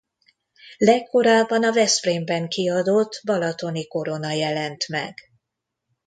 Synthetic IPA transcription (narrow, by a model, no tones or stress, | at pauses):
lɛkːo̞ɾaːbːɒnɒvɛsprembɛŋkiɒd̪ot̪ːbɒlɒt̪o̞niko̞ɾo̞nɒjɛlɛnt̪mɛ̰ɡ̥